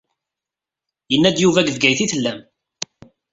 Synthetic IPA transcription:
jənːæd̪juvæɡəvɡæjθiθəlːæm

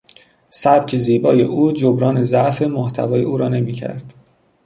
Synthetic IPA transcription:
sæb̥cʰeziːbɒːjḛʔuːd͡ʒobɾɒːnezæʔfemoht̪ʰæ̰vɒːjeuːɾɒːne̞miːcʰæ̰ɾd̪̥

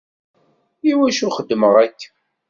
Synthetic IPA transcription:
iwæʃuχəd̪ːəməʁækː

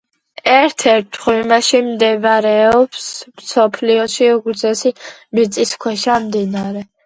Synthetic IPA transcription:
ɛɾt̪ʰɛɾt̪ʰχwimaʃimd̪ɛvɾɛɔpsmsɔpʰliɔʃiuɡɾzɛsimit̪sʼiskʰwɛʃamd̪inaɾɛ

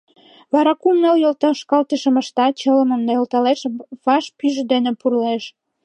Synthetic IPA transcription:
βɑɾɑkumnəljolt̪əʃkɑlt̪əʃə̆mə̆ʃt̪ɑt͡ɕələməmnɑolt̪ɑleʃβɑʃpyʒd̪enepurleʃ

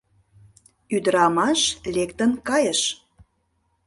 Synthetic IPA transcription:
yd̪əɾɑmɑʃlekt̪ənkɑjəʃ

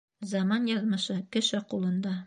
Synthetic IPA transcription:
zɑmɑnjɑðmɤ̆ʃɤkɘ̆ʃɘqulˠɤ̆nd̪ɑ

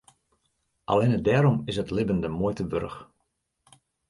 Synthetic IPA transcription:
ʔa̰lɪnədɛːɾɔmɪsətlɪbəndəmojtəʋø̰rəx

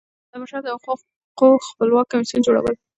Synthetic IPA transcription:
d̪̥əmaʃaɾd̪əq | qoxpəlwɑkːamisund͡ʒoɽa̰wə̰l

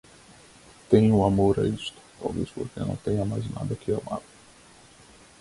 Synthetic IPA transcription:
t̪ẽj̃ʊamoɾa̰ist̪ʊ̥t̪a̰wvḛspo̰ɾkenɐ̰̃w̃t̪ẽjɲɐmajzna̰d̪ɐkɪama̰ɾʊ

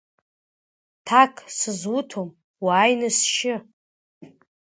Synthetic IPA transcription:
tʰakʰʼsɨzwutʰom | waːjnɨsʃɪ

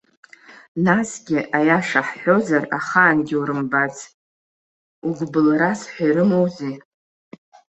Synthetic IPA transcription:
nasɡʲɪʔajaʂaħħo̞zaraχaːnɡʲɪuɾɨmbat͡s | uɡʷbɨlɾasħʷajɾɨmowzi

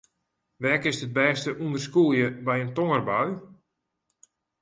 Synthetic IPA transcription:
ʋɛkɪsət̚bɛːstəʔundərskulˠjəbɛjəntoŋərbaɥ

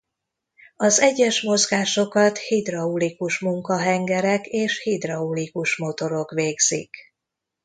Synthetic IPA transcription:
ɒzɛɟːɛʃmo̞zɡaːʃo̞kɒt̪hid̪rɒulikuʃmuŋkɒɦɛŋɡɛɾɛkeːʃhid̪rɒulikuʃmo̞t̪o̞ɾo̞kʋeːɡz̥ḭk

